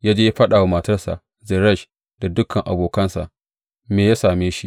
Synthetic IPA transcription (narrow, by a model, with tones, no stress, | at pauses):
jaː˦d͡ʒeː˦ja˦ɸɐ˦ɗaː˨wa˦˨mɐ˨tɐ˦rsa̰˨ʔ | zɛ˨ɾɐ˦˨ʃ | d̥a˨dʊ˦kɐ˨ŋʔa̰˨boː˨kɐ˦nsa̰˨ʔ | meː˨jaː˦saː˨meː˦ʃi˦ʔ